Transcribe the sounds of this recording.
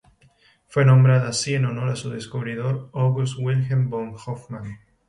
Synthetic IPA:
fwe̞nõmbɾaðaasieno̞no̞ɾasuðe̞skuβɾiðo̞ɾoɣus̬t̪wilxemboŋxofmãn

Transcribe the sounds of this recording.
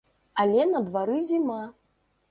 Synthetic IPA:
alʲɛnɐd̪vaɾɨzʲima

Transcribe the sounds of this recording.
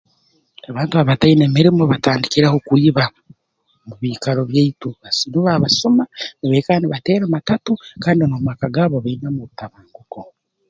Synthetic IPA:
aβaːntuaβatainemiɾimoβataːndikiɾahokwiːβa | muβiːkaɾo̞βjeituβasinuβaβasomaneβekaːniβateːɾamatatukaːndinomakaɡaːβoβainamuβutaβaːŋɡuko

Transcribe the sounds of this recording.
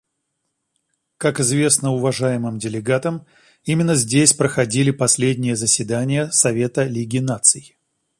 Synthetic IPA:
kakɪzvʲe̞snəʊvɐʐajɪmɨmdʲɪlʲɪɡat̪əm | imʲɪnːəzʲdʲesʲpɾəxɐdʲilʲɪpɐsʲlʲedʲnʲɪjəzəsʲvʲɪd̪anʲɪjəsɐvʲe̞t̪əlʲiɡʲɪnat̪sɨjɪ

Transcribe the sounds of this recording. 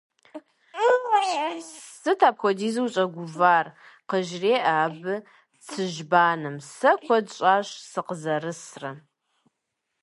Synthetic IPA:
sɨtʰaːpxʷɔdiːzɨwɕʼɐɡʷʊvaːr | qəʒreːʔaːbɨ | t͡sʰɨʒbaːnɨmsɐkʷʰɔdɕʼaːɕʼsɨqəzɐrɨsrɐ

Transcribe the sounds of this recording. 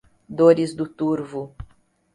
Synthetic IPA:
d̪oɾɪzd̪ʊt̪uɾvʊ

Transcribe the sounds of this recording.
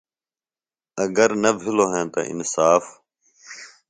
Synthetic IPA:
əɡəɾnəbʱɪloːɦẽːt̪a̰ʔɪ̰nsaːf

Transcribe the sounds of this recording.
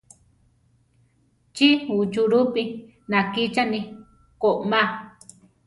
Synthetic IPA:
t͡ʃiut͡ʃuɾupi | nãkit͡ʃanĩ | koʔmã

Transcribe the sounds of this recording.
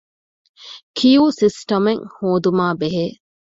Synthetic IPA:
kʰijuːsisʈɐmeŋhoːd̪umaːbeɦeː

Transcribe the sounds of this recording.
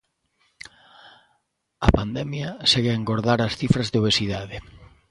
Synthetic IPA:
ɐpand̪ɛmjɐseɣɪeŋɡoɾðaɾɐsθifɾɐzðeoβesiðaðɪ

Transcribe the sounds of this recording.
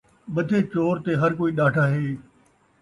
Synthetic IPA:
ɓɐd̪ʱeːt͡ɕoːɾt̪eɦɐɾkoːiːɗaːʈʰaːɦeː

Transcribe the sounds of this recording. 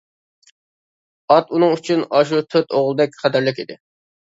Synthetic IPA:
ɑt̪unɨŋyt͡ʃʰynɑʃ̬ut̪ʰøt̪oʁlˠɨd̪ɛkʲχʰɛt̪æɾlɪkʲid̪ɪ

